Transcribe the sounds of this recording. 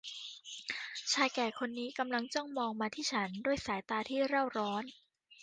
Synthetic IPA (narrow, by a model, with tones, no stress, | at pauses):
t͡ɕʰaː˧jkɛː˨˩kʰo˧nːiː˦˥ka˧mla˧ŋt͡ɕɔ˥˩ŋmɔː˧ŋmaː˧t̪ʰiː˥˩t͡ɕʰa˦˥nduː˥˩əjsaː˩˦jt̪aː˧t̪ʰiː˥˩ɾa˥˩wɾɔː˦˥n